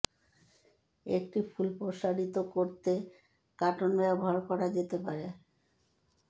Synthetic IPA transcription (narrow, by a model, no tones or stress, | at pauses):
ek̚ʈifulpɾoʃaɾit̪okoɾt̪e | kaʈonɔboɦaɾkɔɾad͡ʑet̪epaɾe